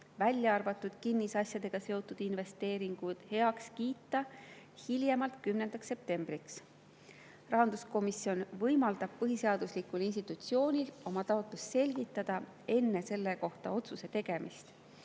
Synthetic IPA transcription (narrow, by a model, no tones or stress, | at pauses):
vælʲjɑɑrvɑt̪ˑːud̪̥kinːisɑsjɑd̪̥e̞ɡ̥ɑse̞o̞t̪ːˑud̪̥inve̞st̪e̞ːɾiŋɡ̥ud̪̥he̞ɑkskiːt̪ːˑɑ | hiljemɑlt̪kymne̞nd̪̥ɑksːe̞p̚t̪e̞mb̥riks | rɑɦɑnd̪̥usko̞misio̞nvɤjmɑld̪ɑb̥̚pɤɦise̞ɑd̪̥uslikːulins̬t̪it̪ut̪sio̞ːnʲilo̞mɑt̪ɑo̞t̪lust̪se̞lʲɡit̪ːˑɑd̪̥ɑ | e̞nːe̞se̞lːe̞ko̞ht̪ɑ̰o̞t̪suse̞t̪e̞ɡ̥e̞mist̪